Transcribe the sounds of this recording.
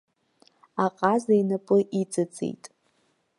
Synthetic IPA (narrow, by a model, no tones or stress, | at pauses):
aqʼazajnapʼɨʔit͡sʼɨt͡sʼḛjtʼ